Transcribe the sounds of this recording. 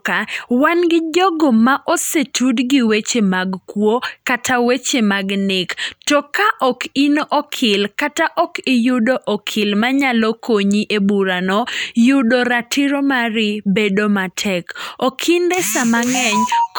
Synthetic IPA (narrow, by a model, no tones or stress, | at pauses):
kawanɡɪd͡ʒɔɡomaʔɔsetʰudɡɪwet͡ʃemaɡkwokatʰawet͡ʃemaɡnɪktɔkaʔɔkinoʔɔkʰɪlkataʔɔkɪjʊdoʔɔkʰɪlmaɲalɔkʰoɲiʔebuɾanɔjʊdoɾatɪɾomaɾɪbedomatʰɛkokʰɪndɛsamaŋɛɲ